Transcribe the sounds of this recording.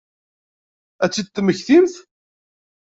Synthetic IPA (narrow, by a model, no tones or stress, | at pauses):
æt͡sːid̪̚t̪ːməçθimθ